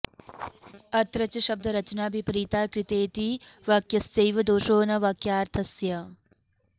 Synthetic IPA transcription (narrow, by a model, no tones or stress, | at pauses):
ɐt̪ɾɐt͡ʃɐʃɐb̚d̪ʱɐɾɐt͡ʃnaːbʱipɾiːt̪aːkɾɪt̪eːt̪iʋaːkjɐstɐjʋɐd̪oːʃoːnɐʋɐkjaːɾt̪ʰɐsjɐ